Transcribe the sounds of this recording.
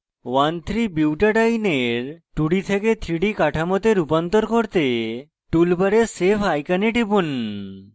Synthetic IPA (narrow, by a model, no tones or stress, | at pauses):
want̪ʰɾibiwʈaɖajneɾʈuɽit̪ʰeket̪ʰɾiɖikaʈʰamot̪eɾupant̪oɾkoɾt̪e | ʈulbaɾeɾsepʰajkaneʈibun